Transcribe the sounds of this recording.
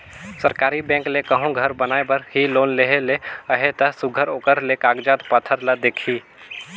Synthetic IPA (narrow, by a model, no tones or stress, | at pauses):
səɾkaːɾibɛ̃ːŋklekəɦõɡʱəɾbənaːebəɾhiloːnleɦeleəɦet̪ɐsʊɡʱəɾoːkəɾlekaːɡd͡ʒaːt̪pət̪ʰːəɾləd̪eːkʰiː